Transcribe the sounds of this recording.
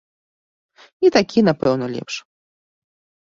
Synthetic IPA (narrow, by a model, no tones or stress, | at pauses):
it̪akʲinapɛwnɐlʲɛ̰pʂ